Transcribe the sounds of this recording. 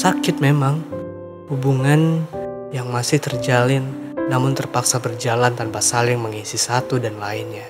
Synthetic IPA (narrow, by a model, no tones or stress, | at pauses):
sakɪt̪̚memaŋ | hubuŋan | jaŋmasɪht̪ərd͡ʒalɪnː | amʊnt̪ərpaksabərd͡ʒalant̪anpasalɪŋməŋisisat̪udanlaɪnɲa